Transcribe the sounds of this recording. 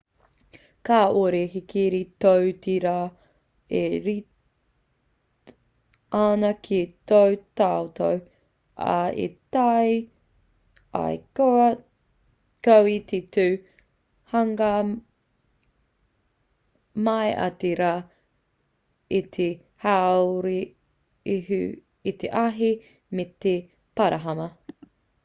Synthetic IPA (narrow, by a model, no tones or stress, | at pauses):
kaːʔoɾekikiɾitowtiɾa | eɾi | anɐkʰitowtaot̪ow | ʔa̰ḛtaj | a̰jko | kɐwititʉː | hɐŋɐ | mɐjʔɐ̰tiɾa | it̪ʰe | hawwɾi | iɦʉ | it̪eʔɐɦi | mete | pɐɾʔɐɦɐmɐ